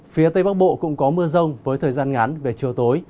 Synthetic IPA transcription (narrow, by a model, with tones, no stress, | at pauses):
fi˨˦ət̪ə˧jɓaː˦˥k̚ɓo̰˧˨kʊ̰˧˥ŋ͡mkɔ˨˦mɨ˧əzə˧wŋ͡mvəː˨˦jt̪ʰəː˨˩jzaː˧nŋa˨˦nve˨˩t͡ɕi˨˩əwt̪o˨˦j